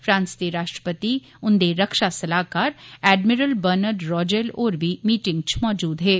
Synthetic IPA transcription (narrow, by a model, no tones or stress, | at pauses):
fʰɾãːnst̪eɾaːʃʈɾəpət̪i | ʊ̃nd̪eɾɐkʃasɐlaːkaːɾɛːɖmɪɾəlbəɾnəɖɾɔːd͡ʒelɔːɾbʱimiːʈɪ̃ŋɡ̚t͡ʃmɔːd͡ʒuːd̪ɦɛː